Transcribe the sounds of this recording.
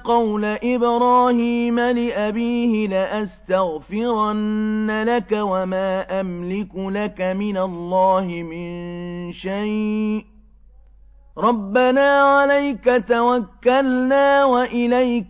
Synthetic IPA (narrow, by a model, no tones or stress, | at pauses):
qɑwlaʔɪbɾɑːhiːmalɪʔabiːhɪlɪʔast̪aɣfɪɾanːalakawamaːʔamlɪkʊlakamɪnalˤːɑːhɪmɪnnʃaj | ɾˤɑbːanaːʕalajkat̪awakːalnaːwaʔɪlajk